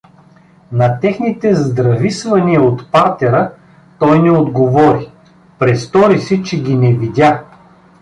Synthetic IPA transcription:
nɐt̪ɛxnit̪ɛzd̪ɾɐvisvɐniəot̪paɾt̪ɛɾə | t̪ɔjnɛod̪ɡovɔɾi | pɾɛst̪ɔɾisɛt͡ʃɛɡʲinɛvid̪ʲa

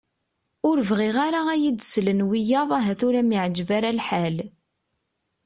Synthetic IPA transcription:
ʊɾəvʁiʁaɾaæjid̪slənwijɑðˤæɦæθʊɾæmiʕd͡ʒvaɾalħal

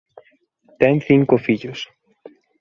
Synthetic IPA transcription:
t̪ɛŋθiŋkofiʎʊs

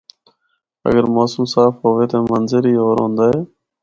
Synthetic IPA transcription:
ə̰ɡəɾmaːsũːsaːfɦoːʋeːt̪aːmənzɪɾiːoːɾɦõːnd̪aːɦeː

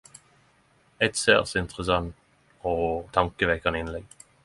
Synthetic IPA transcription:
ɛɪt̪sḛːʁsɪnt̪ʁəsɑnt̪ | oːt̪ʰɑŋkəʋɛkɑnəɪnlɛɡ

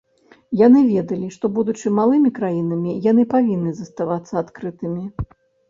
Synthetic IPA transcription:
janɨvʲɛd̪ɐlʲiʂt̪ɔbud̪ut͡ʂɨmːalˠɨmʲikɾajinɐmʲijanɨpavʲinːɨzɐst̪avat̪sːɐat̪kɾɨt̪ɨmʲi

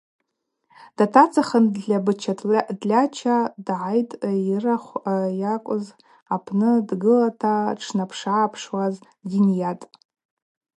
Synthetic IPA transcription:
d̥atʰat͡sʰaχəndɮʲabɨt͡ʃʰadlʲat͡ʃʰadʕajtʼiraχʷjakʷʼʊz | apʰnɨdɡɨlatʰaʈ͡ʂʰnapʰʂaːpʰʂwaz | ɡʲinjatʼ

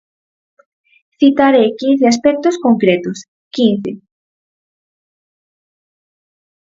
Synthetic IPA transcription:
θit̪aɾekin̟θeas̬pɛk̚t̪oskoŋkɾet̪ʊs | kinθe

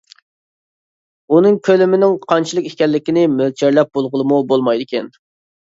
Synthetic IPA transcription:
unɨŋkʲʰølɪmɪnɪŋqʰɑnt͡ʃʰilˠəkikʲɛlːɪkʲinɪmølt͡ʃʰeɾlɛp̚bolˠʁəlˠɨmubolˠmɑjd̪ɪkʲɛn

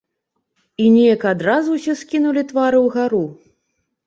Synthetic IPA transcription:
inʲɛjɐkad̪ɾazuwsʲɛskʲinulʲit̪vaɾɨwɣaɾu

